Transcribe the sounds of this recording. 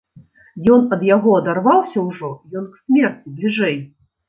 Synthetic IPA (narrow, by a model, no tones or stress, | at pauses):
jɔnɐd̪jaɣɔɐd̪arvawsʲɐwʐɔjɔnksʲmʲɛrʲnʲiblʲiʐɛj